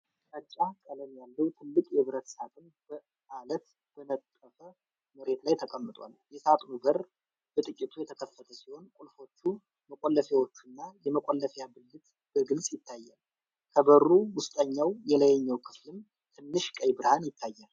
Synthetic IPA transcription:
ʔət͡ʃʼːakʼələmjalːəwt̪ʰɨlːɨkʼjɛβɨɾət̪sat̪ʼɨn | bə | malət̪ | ɡənət̪ʼːəfə | məɾe̞t̪lajt̪ʰəkʼəmːɨt̪ʼwa̰ljɛsat̪ʼnubəɾ | b̥ət̪ʼɨkʼit̪ʰujɛt̪ʰəkʰəfːət̪ʰəsiho̞nkʼulfo̞t͡ʃːu | məkʼolːəfewot͡ʃːɨnːajɛməkʼolːəfjabɨlːɨt̪ | b̥əɡɨlsʼjɪt̪ʰːajːal | kʰəbərːuwʊst̪ʼəɲːawjɛləjɛɲːəwkʰɨ̥flɨm | t̪ʰɨnːɨʃkʼəjbɨɾhanjɪt̪ʰːajːal

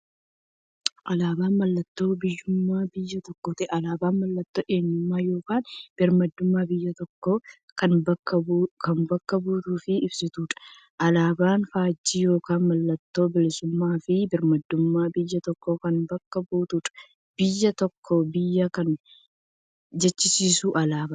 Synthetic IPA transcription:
ʔɐlaːbaːnmɐlːɐt̪ːo̞ːbɪjːʊmːaːbɪjːɐt̪ɔkːoːt̪ɛʔɐlaːbaːnmɐlːɐt̪ːo̞ːʔeːɲːʊmːaːjo̞ːkaːnb̥ɪɾmɐd̪ːʊmːaːbɪjːɐt̪ɔkːo | kɐnbɐɐkɐnbɐkːɐbuːt̪uːfɪɪbsɪt̪uːᶑɐ̥ | ʔɐlaːbaːnfaːd͡ʒːiːjo̞ːkaːnmɐlːɐt̪ːo̞ːbɪlɪsʊmːaːfɪbɪɾmɐd̪ːʊmːaːbɪjːɐt̪ɔkːokɐnbɐkːɐbuːt̪uːᶑɐ̥ | b̥ɪjːɐt̪ɔkʰːɔbɪjːɐkɐn | d͡ʒɛt͡ʃːɪsiːsuːʔɐlaːba

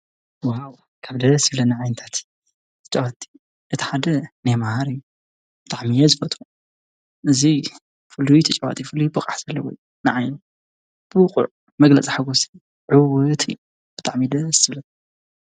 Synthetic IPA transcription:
waw | kʰaβd̪ɐsɨβlɐnɨʕajnɨt̪ʰat̪ | t̪ʰɐt͡ʃʼɐwat̪ʼːi̥ | ʔɨt̪ʰi̥ħad̪ɐnajmahaɾɨjːu | b̥ɨt̪ʼaʕmijɛzɨfɐt̪ʰʼu | ʔɨzi | fɨlːujt̪ʰɐt͡ʃʼɐwa̰t̪ʼifɨlːujbɐkʼaħz̥ɐlːɐwɔ̰j | nɨʕajnu | b̥ɨqʼʊ̰ʕ | mɐɡlɐt͡sʼiħaɡusiju | ʕɨwɨt̪ʰɨ̰jːu | b̥ɨt̪ʼaʕmid̪ɐsɨβlɐt̪

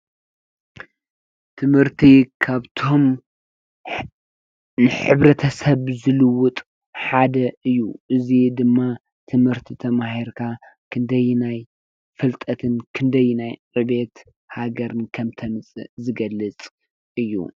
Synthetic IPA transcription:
t̪ʰɨmhɨɾt̪ʰikʰaβt̪ʰo̞m | nɨħɨβɾɐt̪ʰɐsɐβzɨlɨwʊt̪ʼ | ħad̪ɐʔɨjːuʔɨzid̪ɨmːa | t̪ʰɨmhɨɾt̪ʰit̪ʰɐmaɦiɾkʰa | kʰɨnd̪ɐjːnaj | fɨlt̪ʼɐt̪ʰɨnkʰɨnd̪ɐjːunajʕɨβe̞t̪ | haɡɐɾɨnkʰɐmt̪ʰɐmɨt͡sʼɨ̰zɨɡɐlːɨt͡sʼ | ʔɨjːṵ

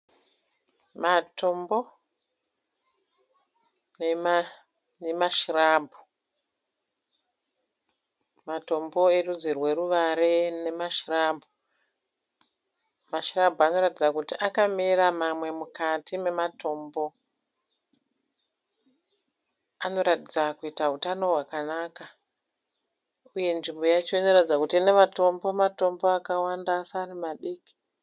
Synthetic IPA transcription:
matʰo̞mbo̞ | n | nemaʃiraːbʱu | mato̞mbo̞erud͡zirwe̞ruʋaɾe̞ne̞maʃiraːbʱu | maʃirabʱoano̞ɾatid͡zakutiʔakamiramamwe̞mukatime̞mato̞ːmbo̞ | ano̞ɾatid͡zakuitaɦutano̞ɦwakanaːka | uje̞nʐimbo̞jat͡ʃo̞ino̞ratid͡zakutine̞mato̞mbo̞mato̞mbo̞akawandasaːrimaɗiːki̥

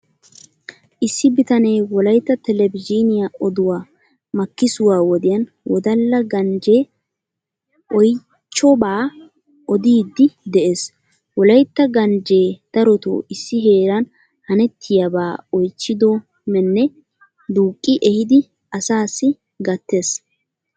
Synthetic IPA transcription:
ʔɪsːɪbɪt̪ɐneːwɔlɐjt̪ːɐt̪ɛlɛbɪd͡ʒinɪjaɔd̪ʊwaː | mɐkːɪsʊwaːwɔd̪ɪjɐn | wɔd̪ɐlːɐɡɐnd͡ʒe̞ː | ʔɔj | t͡ʃːɔbaː | ʔɔd̪iːd̪ːɪd̪ɛʔe̞ːs | wɔlɐjt̪ːɐɡɐnd͡ʒe̞ːd̪̥ɐɾɔt̪o̰ːʔɪsːɪɦe̞ːɾɐn | hɐnɛt̪ʰːɪjabaːɔjt͡ʃːɪd̪ɔ | mɛnːɛ | d̪uːkʼːɪʔɛhɪd̪ɪ | ɐsaːsːɪ | ɡɐt̪ːe̞ːs

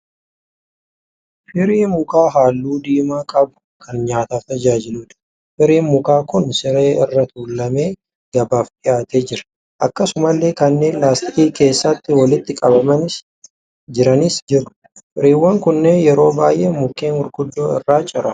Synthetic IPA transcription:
fɪɾiːnmʊkaːɦaːlːuːd̪iːmaːkʼɐbʊ̥kʰɐnɲaːt̪aːft̪ɐd͡ʒaːd͡ʒɪluːd̪̥ | fɪɾiːnmʊkaːkʊnsɪɾeːɪrːɐt̪uːlːɐme̞ː | ɡ̥ɐbaːfd̪ɪjaːt̪e̞ːd͡ʒɪɾɐ̥ | ʔɐkːɐsʊmɐlːe̞ːkɐnːe̞ːnlaːst̪ɪʔiːke̞ːsːɐt̪ːɪwɐlɪt̪ːɪkʼɐbɐmɐnɪs | d͡ʒɪɾɐnɪsd͡ʒɪrʊ̥ | fɪɾiːwːɐŋkʊnːeːjɛɾo̞ːbaːjʔeːmʊkːeːnʊɾɡʊd̪ːoːɪ̰rːaːt͡ʃʼɪɾɐ

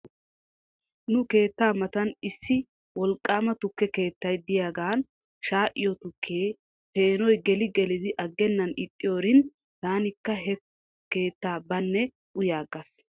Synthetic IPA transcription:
nʊke̞ːt̪ːaːmɐt̪ɐnɪsːɪ | wɔlkʼːaːmɐt̪ʊkːɛke̞ːt̪ːɐjd̪ɪjaːɡaːn | ʃaːʔɪ̰jɔt̪ʊkʰːeː | pe̞ːnɔjɡɛlɪɡɛlɪd̪ɪʔɐɡːɛnːɐnɪt̪ʼːɪjoːɾɪn | t̪aːnɪkːɐɦɛ | ke̞ːt̪ːaːbɐnːɛ | ʔʊjaːɡɐs

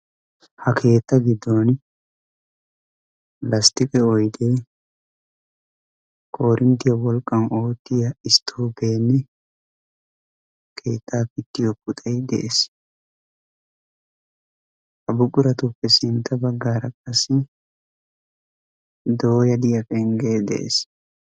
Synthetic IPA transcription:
hɐkʰe̞ːt̪ːɐɡɪd̪ːoːn | lɐst̪ɪkʼɛɔjd̪e | kʰo̞ːɾʔɪmt̪ɪjɐwɔlkʼːɐno̞ːt̪ːɪjɐɪst̪ʰːoːbe̞ːnːɛ | kʰe̞ːt̪ʰːaːpɪt̪ːɪjɔkʼʊt̪ʼɐjd̪ɛ̰ʔes | ɐbʊkʼʊɾɐt̪ʊpːɛsɪnt̪ːɐbɐɡːaːɾɐkʼɐsːɪ | d̪ojɐd̪ɪjɐfʼɛŋɡeːd̪ɛ̰ʔḛs

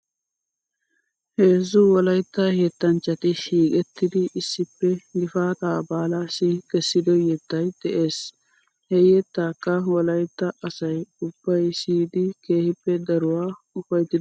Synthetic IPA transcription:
heːzːʊwɔlɐjt̪ːɐhet̪ːɐnt͡ʃːɐt̪ɪʃiːkʼɛt̪ːɪd̪ɪʔɪsːɪpːɛɡɪfaːt̪aːbaːlasɪkɛsːɪd̪ɔjɛt̪ːɐjd̪̥ɛʔe̞ːs | hɛjɛt̪ːaːkːɐwɔlɐjt̪ːɐʔɐsɐjʊb̥ːɐjsiːd̪ɪke̞ːhɪpːɛd̪ɐɾʊwaː | ʊfɐjt̪ːɪd̪

